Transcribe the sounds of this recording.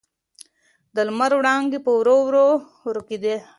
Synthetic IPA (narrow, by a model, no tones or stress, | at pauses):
d̪ɐlmɐɾwɽaːŋɡipowɾowɾo | ɾokid̪e